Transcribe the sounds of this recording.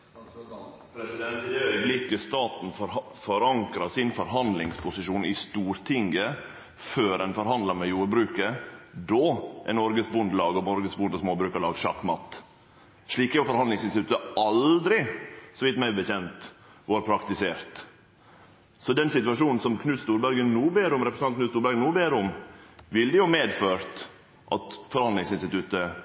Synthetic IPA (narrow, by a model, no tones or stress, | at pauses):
p̪ɛœʏblɪkəst̪ɑːt̪n̩ | fɔɾɑŋkɾɑsɪnfɔɾɦɑnd̪lɪŋspʰʊsɪʃuːnɪst̪uːɾt̪ʰɪŋɡə | føːɾɛnfɔɾɦɑnd̪lɑɾmɛjuːɾbɾʉːkəd̪ɔːʔɛ̰nːɔɾɡəsbʉnd̪lɑːɡɔmɔɾɡəsbʊnd̪ɔsmoːbɾʉːkəɭɑːɡʂɑ̰kːmɑt̪ː | ʂɭiːkæʊfɔɾhɑnd̪ɪŋsɪnst̪ɪt̪ʉt̪ːəɑld̪ɾɪsɔʋɪt̪mæɪbəçɛnt̪ | ʋɑːɾpʰɾɑkt̪ɪseːɾt̪ | sɔd̪ɛnsɪt̪ʉɑʂuːnn̩sɔmkʰnʉːst̪uːɾbæɾɡənnuːbeːɾəʊmɾɛpɾəsɑknʉːtst̪uːɾbæɾɡənuːbeːɾəʊmʋɪld̪ɪjʊmeːd̪føːɾt̪ | ʔɑt̪fɔɾhɑnd̪lɪŋsɪnst̪ɪt̪ʰʉt̪ə